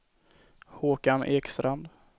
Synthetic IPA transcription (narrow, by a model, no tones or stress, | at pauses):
hoːkanʔeːkst̪ɾand̪